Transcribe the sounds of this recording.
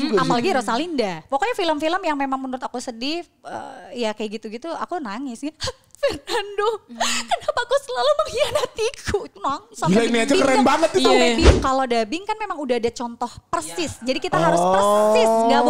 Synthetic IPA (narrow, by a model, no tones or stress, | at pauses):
amalaɡiɾɔsalindapokoɲafiləmfiləmjaŋmemaŋmənuɾʊt̪akusədɪ | ə̰jakajaɡit̪uɡit̪ua̰kunaŋɪs | fərnandokənapaːkusəlaluməŋianat̪ikʰuit̪unaŋsaillaniad͡ʒakəɾɛbaŋət̪̚ɡiuabikalodabɪŋkanmemaŋudaɦːdat͡ʃɔnt̪ɔhpərsɪsd͡ʒadikit̪aɦaɾʊsərsɪsɡɡa